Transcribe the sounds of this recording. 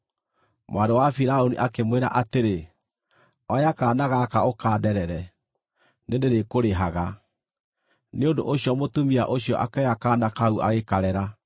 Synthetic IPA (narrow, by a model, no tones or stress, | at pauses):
mwadowafiɾaonḭʔakemweɾa̰ʔateɾe | ɔjakaːnaɣakaokaːdɛɾɛɾɛ | nendeɾekoɾeɦaɣa | neondo̰ʔoɕjɔmotumiaʔoɕiɔʔakɛakaːnakauʔa̰ɣekaɾɛɾa